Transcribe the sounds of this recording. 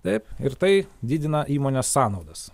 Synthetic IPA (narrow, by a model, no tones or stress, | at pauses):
t̪ɐɪpɪɾt̪ɐɪd̪ʲɪːd̪ʲɪnɐʔiːmoːnʲeːssɑːnɒʊd̪ɐs